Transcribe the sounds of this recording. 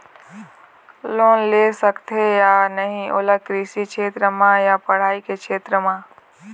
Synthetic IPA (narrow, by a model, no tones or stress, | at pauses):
loːnlesəkt̪ʰejanəɦĩʔo̰ləkɾiːsikʃʰeːt̪ɾəmãjapəɽ̤aːikekʃʰeːt̪ɾəmãː